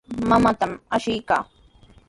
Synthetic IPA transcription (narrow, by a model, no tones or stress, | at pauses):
mamat̪amaʃɪjka̰ː